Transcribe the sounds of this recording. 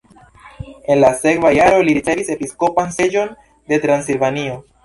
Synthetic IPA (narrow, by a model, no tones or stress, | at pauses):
e̞nlase̞kvajaɾo̞liɾit͡se̞vise̞pisko̞panse̞d͡ʒo̞n | de̞tɾansilvanio̞